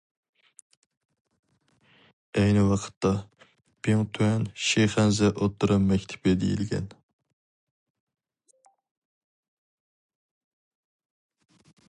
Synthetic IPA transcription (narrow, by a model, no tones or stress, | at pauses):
ɛjnɪwɑqʰə̥t̪ʰːɑ | b̥iŋt̪ʰuɛnʃeχɛnzɛʔot̪ːɨɾɨmmːɛkʲt̪ʰɪ̥ped̪ḛjḭlɡʲɛ̰n